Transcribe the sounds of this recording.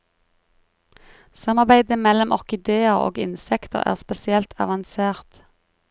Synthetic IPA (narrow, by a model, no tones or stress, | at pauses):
sɑmɑʁbæɪd̪əmɛlɔmʔɔʁkɪd̪eːəʁo̰ːɡɪ̰nsɛkt̪ə̰ʁæ̰ːʁspɛsɪɛlt̪ʰɑ̰ʋɑnseːʁt̪